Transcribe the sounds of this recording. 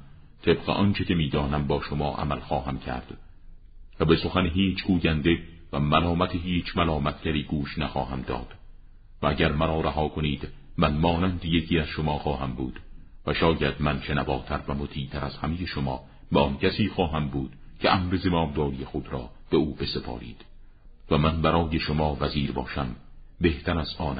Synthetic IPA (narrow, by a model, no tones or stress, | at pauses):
t̪ʰe̞bɢeʔɒnt͡ʃʰe̞cʰe̞miːd̪ɒːnæmbɒːʃomɒːʔæ̰mælxɒːɦæmcʰæ̰ɾd̪̥ | væbe̞so̞xænɦiːt͡ʃʰɡuːjænd̪e̞ | væmælɒːmæt̪ʰeɦiːt͡ʃʰmælɒːmæt̪ʰɟʲæɾiːɡuːʃnæxɒːhæmd̪ɒ̰ːd̪̥ | vææɟæɾmæɾɒːɾæɦɒːkʰoniːd̪̥ | mænmɒːnænd̪ejecʰiːæz̥ʃomɒːxɒːhæmbuːd̪̥ | væʃɒːjæd̪̥mænʃe̞nævɒːt̪ʰæɾvæmot̪ʰiːt̪ʰæɾæz̥hæmeje̞ʃomɒː | beɒncʰæsiːxɒːɦæmbuːd̪̥cʰeʔæmɾezemɒːmd̪ɒːɾijexod̪ɾɒ̰ː | b̥euːbe̞se̞pʰɒ̰ːɾḭːd̪̥ | væmænbæɾɒːje̞ʃomɒːvæziːɾbɒ̰ːʃæm | be̞ht̪ʰæɾæzɒːnæ